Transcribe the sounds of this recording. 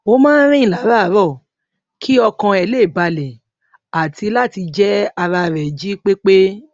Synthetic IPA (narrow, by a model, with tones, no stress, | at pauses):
o˦mãː˦n˦ɾ̃ĩ˦ĩ˦˨la˨˦ɾa˦˨˦ɾɔ˦˨ | kʰi˦ɔ˧kã˧ɛ˨˧le˦˨ba˧lɛ˨ | a˨ti˧la˦˨ti˧d͡ʒɛ˦a˧ɾa˧ɾɛ˨d͡ʒi˨˦k͡pe˦k͡pe˦